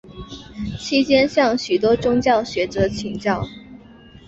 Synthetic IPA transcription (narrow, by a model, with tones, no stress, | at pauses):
t͡ɕʰi˥t͡ɕjɛ˥nɕjɑ˥˩ŋɕy˨˩t̪wɔ˥ʈ͡ʂʊ˥ŋt͡ɕjɑ˥˩ʊɕɥɛ˧˥ʈ͡ʂɤ˧˥t͡ɕʰi˨˩ŋt͡ɕjɑ˥˩ʊ